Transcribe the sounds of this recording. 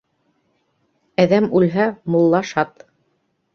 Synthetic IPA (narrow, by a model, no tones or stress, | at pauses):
æðæmʉlɦæmolˠːɑʃɑt̪